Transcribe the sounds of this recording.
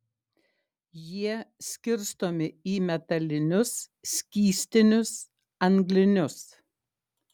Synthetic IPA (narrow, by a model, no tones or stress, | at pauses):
jiɛsʲkʲɪɾst̪oːmʲɪiːmʲɛt̪ɐlʲɪnʲʊs | sʲkʲiːsʲt̪ʲɪnʲʊs | ɐŋɡlʲɪnʲʊs